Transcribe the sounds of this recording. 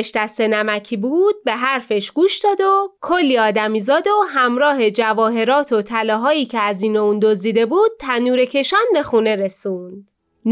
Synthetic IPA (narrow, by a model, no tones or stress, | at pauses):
ʃd̪æst̪e̞næmæcʰiːbuːd̪̚be̞ɦæɾfe̞ʃɡ̥uːʃd̪ɒːd̪okʰolːiːɒːd̪æmiːzɒːd̪oɦæmɾɒːɦe̞d͡ʒævɒːɦe̞ɾɒːt̪ʰot̪ʰælɒːɦɒːiːcʰe̞æziːnound̪ozd̪iːd̪e̞buːd̪̚t̪ʰænuːɾe̞cʰe̞ʃænbe̞xuːne̞ɾe̞suːnd̪̥ | n